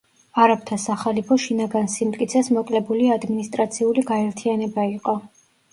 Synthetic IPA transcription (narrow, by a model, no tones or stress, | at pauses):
aɾap̚t̪ʰasaχalipʰɔʃinaɡansimt̪ʼkʼit̪sʰɛsmɔkʼlɛbuliad̪minist̪ʼɾat̪sʰiuliɡaɛɾt̪ʰianɛbaiqʼɔ